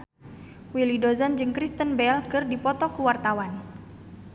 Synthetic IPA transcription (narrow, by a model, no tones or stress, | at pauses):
wilidozand͡ʒɨŋkɾist̪ənbɛlkɨrdipɔt̪ɔkuwart̪awan